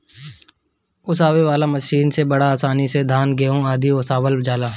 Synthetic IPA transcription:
ʊsaːʋeʋaːlamɐʃiːnsebɐɽaːsaːnised̪ʱaːnɡeɦõaːd̪ʱioːsaːʋəlbd͡ʒaːlaː

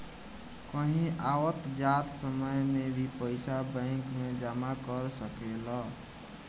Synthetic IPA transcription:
kəɦĩʔawət̪d͡ʒat̪səməjmebʱipəɪsabə̃ŋkmed͡ʒamakəɾsəkelə

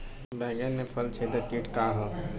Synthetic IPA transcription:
bɛ̃ːɡənːepʰəlt͡ʃʰeːd̪əɾkiːʈkaːɦo

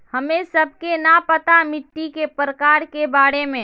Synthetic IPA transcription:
hɐmẽsəb̚ʱkenapət̪amɪʈːikepɾəkaːɾkebaːɾemẽ

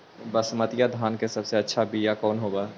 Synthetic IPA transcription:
bəsmɐt̪ɪjad̪ʱaːnkesɐbseɐtːʃʰabʱijakɔːnɦoːɡaː

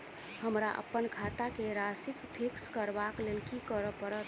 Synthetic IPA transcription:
həmɾaʔə̰pːənkʰat̪akeɾasikpʰikskəɾbaklelkikəɾəpəɾət̪̚

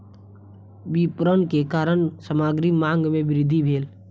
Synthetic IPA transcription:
ʋipɾənkekaːɾəɳsəmaːɡɾimãːŋɡmẽʋɪɾɪd̪ʱːibʱeːl

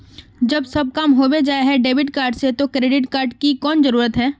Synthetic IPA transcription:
d͡ʒɐbsɐb̚kamɦoːbed͡ʒaːeɦɛɖeːbɪʈkaːɾɖset̪okɾeːɖɪʈkaːɾɖkikɔːnzəɾuːɾət̪ɦɛː

